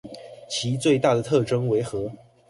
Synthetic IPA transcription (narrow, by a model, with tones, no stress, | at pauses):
t͡ɕʰi˧˥t͡swe˥˧ɪt̪a˥˩d̪ə˩t̪ʰɤ˥˩ʈ͡ʂɤ˥ŋwe˧˥ɪxɤ˧˥